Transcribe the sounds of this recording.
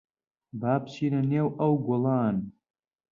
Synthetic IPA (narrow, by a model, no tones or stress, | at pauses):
baːpt͡ʃʰiːnɐneːwʔɐwɡʷʊlaːn